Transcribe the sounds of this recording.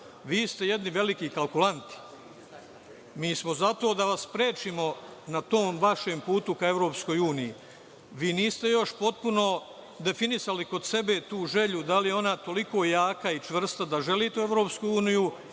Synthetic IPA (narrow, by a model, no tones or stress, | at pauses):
ʋiːst̪e̞je̞d̪niʋe̞likiːkalˠkulant̪i̥ | miːsmo̞zat̪o̞ːd̪aʋasːpɾe̞ːt͡ʃimo̞nat̪o̞ːmʋaʃe̞ːmpuːt̪ukae̞ʋɾo̞ːpsko̞juːniji | ʋiːniːst̪e̞jo̞ʃpo̞t̪̚puno̞ | d̪e̞finisaliko̞d̪se̞be̞ːt̪uːʒe̞ʎud̪alijeo̞nat̪o̞liko̞ːjaːkait͡ʃʋr̩st̪ad̪aʒe̞liːt̪eueʋɾo̞ːpskujuːniju